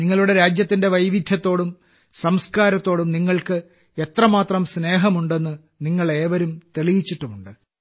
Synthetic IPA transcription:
niŋːɐɭuɽe̞ɾaːd͡ʑjɐt̪ːinde̞ʋɐjʋid̪ʱjɐt̪ːo̞ːɽum | sɐmskaːɾɐt̪ːo̞ːɽumniŋːɐɭkɨ | e̞t̪rɐmaːt̪rɐmsne̞ːɦɐmuɳɖe̞nːɨ | niŋːɐɭe̞ːʋɐɾumt̪eɭijit͡ɕːiʈːumuɳɖɨ

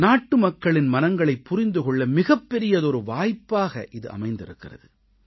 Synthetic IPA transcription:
naːʈːɯmɐkːɐɭɪnmɐnɐŋɡɐɭɐɪpːʊɾɪnd̪ɯɣɔɭːɐmɪɣɐpːɛɾɪjɐðɔɾɯʋaːjpːaːɣɐ̰ʔɪðɯʔɐ̰mɐɪnd̪ɪɾɯkːɪrɐðɯ

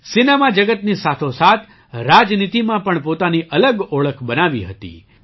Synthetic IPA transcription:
sinemad͡ʒəɡət̪nisat̪ʰosat̪ʰ | ɾad͡ʒnit̪imãpəɳpot̪aniʔələɡoɭəkʰbənaʋiɦət̪ḭ

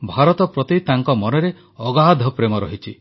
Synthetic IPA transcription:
bʱaɾɔt̪ɔpɾɔt̪it̪aŋkɔmɔneɾe | ɔɡad̪ʱɔpɾemɔɾɔɦit͡ʃʰi

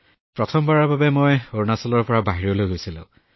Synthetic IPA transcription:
pɹɔtʰɔmbaɹaɹbabɛmojoɹnasɔlɔɹpɔɹabaɦiɹɔlojɦojsilʊ̰̃ʊ̃

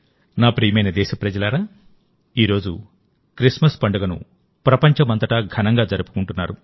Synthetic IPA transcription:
naːpɾiːjɐmɐjnɐd̪ɛːʃɐpɾɐd͡ʒɐlaːɾaː | iːɾo̞ːd͡ʒṵ | kɾismɐspɐɳɖɐɡɐnṵ | pɾɐpɐɲt͡ʃɐmɐnt̪ɐʈɐɡʱɐnɐŋɡaːd͡ʒɐɾupu̥kuɳʈunːaːɾu

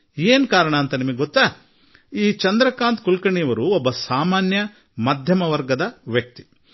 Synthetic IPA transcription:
eːnkaːɾɐɳɐːnt̪ɐnimɐɡʲeɡɔt̪ːaː | iːt͡ʃɐnd̪ɾɐkaːnt̪kulkɐɳiɐʋɐɾuɔbːɐsaːmaːnjɐ | mad̪ʱjɐmɐʋɐɾɡɐd̪ɐʋjɐk̚t̪i̥

